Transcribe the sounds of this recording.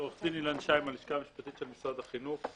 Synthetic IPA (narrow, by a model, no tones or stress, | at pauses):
oχzinilanʃajmaliʃkamiʃpat̪it̪ʃelmisʁad̪aχinuχ